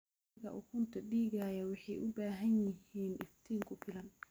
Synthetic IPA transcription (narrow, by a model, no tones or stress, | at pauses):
ɣɐʔukʰʊnt̪ʰɐɖiːɣaːjɐwɑħɑjʔʊbaːɦɐnjɪhiːnɪ̰ft̪ʰiːŋkʰʊfɪlɐn